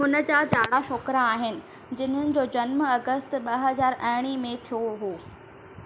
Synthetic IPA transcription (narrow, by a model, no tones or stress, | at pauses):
ɦʊnə̆d͡ʑad͡ʑaːɽaʃoːkɾaaːɦɪnɪ̆ | d͡ʑɪn̤ɦənɪ̆d͡ʑoːd͡ʑɐnmɐɡəst̪ɓɐɦɐzaːɾɐɦɪɽ̃imẽt̪ʰijoɦoː